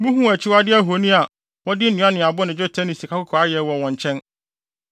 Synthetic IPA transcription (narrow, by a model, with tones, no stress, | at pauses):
mũ˦ɦũ˦æ˨t͡ɕʰɪ˦wa˦dɪ˦æ˦ɦo˨˦nĩ˦a˨ | wɔ˦dɪ˦nĩ˨˦ã˦nɪ̃˨a˨bʊ˦nɪ̃˨d͡ʑᶣɔ˦tʰa˦nĩ˨si˨kʰa˦kʊ˦kʰɔ˨a˦jɛ˨wɔ˨wɔ̃˨ɲ˨t͡ɕʰɛ̃˦n